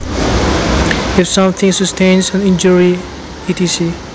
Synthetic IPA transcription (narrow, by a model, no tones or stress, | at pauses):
ɪfsʌ̃mt̪ʰɪ̃ŋsɨstʰẽnsə̃nɪ̃nd͡ʒəɹi | itisi